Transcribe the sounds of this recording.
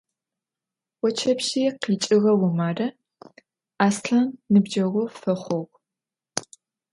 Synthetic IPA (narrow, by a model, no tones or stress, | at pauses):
wɔt͡ʃʰɐpʃiːqiːt͡ʃʼɪɣɐwʊmaːrɐ | aːsɬɐnnɨbd͡ʒɐʁʷʊfɐχʷɔʁʷ